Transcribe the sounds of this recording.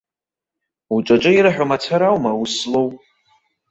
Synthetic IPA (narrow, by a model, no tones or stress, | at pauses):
uʈ͡ʂʼat͡ʃʼɨiɾaħʷᶣamat͡sʷʰaɾawmawuslowʼ